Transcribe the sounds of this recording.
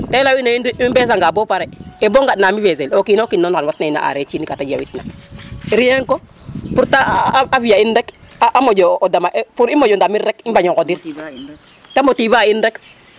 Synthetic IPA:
telawinainmbes̬aŋɡabopaɾeeboŋɡatnamivezelokinokinːonkanwatnaina̰ʔa̰ɾet͡ʃiːnikatad͡ʒia̰witna̰iɾijeŋko | puɾtaavijaindɛkaʔamoɟoʔdamaʔpuɾimːod͡ʒɔndamiɾɾekimbaɲɔŋkodiɾ | tamotibainɾek

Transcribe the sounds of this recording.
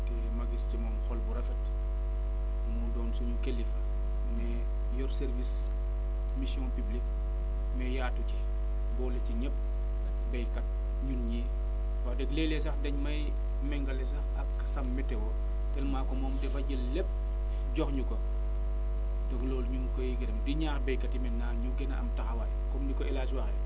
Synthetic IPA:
tɛ | maɡistimɐmxɔlbuɾɐfɐt | mudɔːnsuɲukelːifɐ | mɛ | jɔɾseɾvis | misiɔ̃npiblik̚ | mɛjaːtuci | bɔːleciɲɛp̚ | bɛjkɐt̚ | ɲunɲi | wadɛɡlɛlɛs̬ɐxdɛɲmɐj | mɛŋɡɐlɛs̬ɐxɐkː | sɐmːɛtɛwɔ | tɛlmakɔmɔːmdɛbɐɟəlːep̚ | ɟɔkɲukɔ | doɡloːlɲunkɔjiɡiɾɛmdiɲaːxbɛjkɐtimɛnːaɲuɡɛnaɐ̰mtɐxɐwajkɔmdikɔɛlaswaxɛ

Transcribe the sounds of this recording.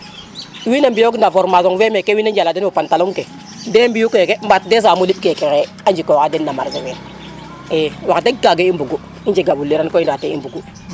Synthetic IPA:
winambijoɡndavoɾmazoŋwemekewinand͡ʒaladenwopantaluŋke | dembijukokembatdes̬amoliɓ̚kekeke | and͡ʒikowkadenːamaɾzowen | ewakdeɡaɡeimbuɡu | ind͡ʒeɡabulːeɾakoindateḭmbuɡu

